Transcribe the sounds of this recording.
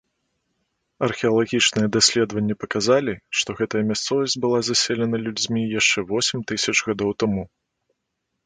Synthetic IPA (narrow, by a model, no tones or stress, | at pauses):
ɐrxʲɛɐlˠaɣʲit͡ʂnɨjɛd̪asʲlʲɛd̪vɐnʲːɛpɐkazalʲiʂt̪ɔɣɛt̪ɐjɐmʲast̪sɔvɐsʲt͡sʲbɨlˠazasʲɛlʲɛnɐlʲud͡zʲmʲijaʂt͡ʂɛvɔsʲɛmʲt̪ɨsʲɐt͡ʂɣad̪ɔwt̪amu